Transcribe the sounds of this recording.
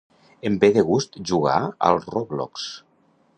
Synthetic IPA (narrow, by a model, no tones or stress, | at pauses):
embeðeɣust̪ʒuɣa̰ə̰lˠroβlɔ̰ks